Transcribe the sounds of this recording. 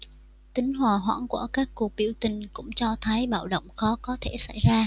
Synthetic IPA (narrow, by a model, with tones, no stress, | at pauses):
t̪ï˨˦ŋ̟ɦwaː˨˩ɦwa̰ː˧˥ŋkṵ˧˩əkaː˦˥kːu˨˩ək̚ɓḭ˧˩əwt̪ï˨˩ŋ̟kʊ̰˧˥ŋ͡mt͡ɕɔ˧t̪ʰə˨˦jɓa̰ː˧˩wɗə̰˧˨wŋ͡mxɔ˨˦kɔ˨˦t̪ʰe˧˩sa̰˧˩jzaː˧